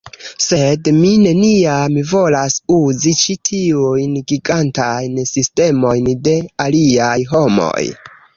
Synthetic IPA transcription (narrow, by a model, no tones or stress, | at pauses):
se̞dmine̞niamivo̞lasuzit͡ʃitʰiujnɡiɡantajnsiste̞mo̞jnde̞aliajɦo̞mo̰j